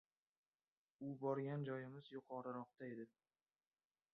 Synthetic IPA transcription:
ʊbɒɾɡʲand͡ʒɒjɪmɪzjʊqʰɒɾɨɾɒq̚t̪aed̪ɪ

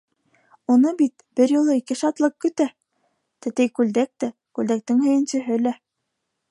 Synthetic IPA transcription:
unɤbit̪̚ | b̥ɘɾjŭlˠɤikɘʃɑt̪lˠɤqkɵ̆t̪æ | t̪ɘ̆t̪ɘjkʉld̪æk̚t̪æ | kʉld̪æk̚t̪ɘŋhɵ̆jɘ̆nsɵ̆ɦɘlæ

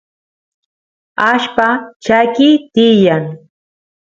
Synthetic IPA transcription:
aʃpat͡ʃajkit̪ɪjaŋ

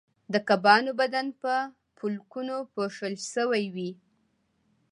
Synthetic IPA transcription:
d̪əkabɑnobad̪anpə | pʰulkunopoʂəlʃəwajwi

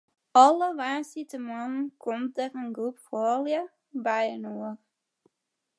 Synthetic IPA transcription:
ɔləʋaːnsitəmɔnnkʰomdərənɡrupfɔːljə | bɛjənoər

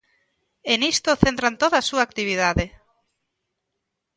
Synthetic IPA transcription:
enist̪oθent̪ɾant̪oð̞asuaːk̚t̪iβ̞ið̞aðe

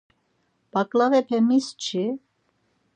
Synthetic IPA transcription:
b̥akʼlavɛpʰɛmist͡ʃʰi

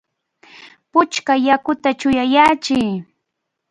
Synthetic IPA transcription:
pʊt͡ʃkajakʊt̪at͡ʃʊjajaːt͡ʃɪj

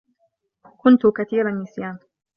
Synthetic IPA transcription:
kʊnt̪ʊkaθiːɾanːɪsjaːn

